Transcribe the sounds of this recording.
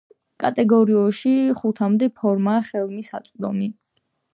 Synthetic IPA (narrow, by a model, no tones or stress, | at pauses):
kʼat̪ʼɛɡɔɾiɔʃiχut̪ʰamd̪ɛpʰɔɾmaːχɛlˠmisa̰t̪sʼd̪ɔmi